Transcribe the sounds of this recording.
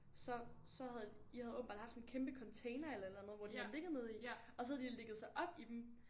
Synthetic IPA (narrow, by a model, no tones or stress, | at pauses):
sɒ̽sɒ̽ɦæð̩ˠ | ihæðˠob̥m̩b̥ɑ̈ːd̥hɑfd̥sɔ̽n̩kʰemb̥əkʰɒ̽nt͡sʰeɪnɐelɐelænð̞̩ˠʋɒd̥ihæðˠle̝ɡ̥ð̩ˠmeð̞ˠi | ɒ̽sɒhæðˠdile̝ɡ̥əð̞̩ˠsɑ̈ɪʔɒ̽b̥id̥em̩